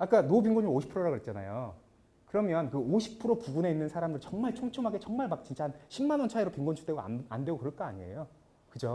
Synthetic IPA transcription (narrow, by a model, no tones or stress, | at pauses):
ak͈anop̬iŋɡoɲioɕʰi̥pʰɯɾoɾaɡɯɾet̚t͡ɕ͈ana̰jo̰ | kɯɾʌmjʌnkɯoɕʰi̥pʰɯɾopuɡune̞inːɯnsʰaɾamdɯɭt͡ɕʌŋmaɭt͡ɕʰoŋt͡ɕʰomɦaɡe̞t͡ɕʌŋmaɭmak̚t͡ɕint͡ɕ͈ʰahanɕʰimːanwʌnt͡ɕʰaiɾopiŋɡont͡ɕʰu̥t͈eɡo̰a̰ndwe̞ɡokɯɾʌɭk͈ʌa̰ɲiḛjo | kɯd͡ʑo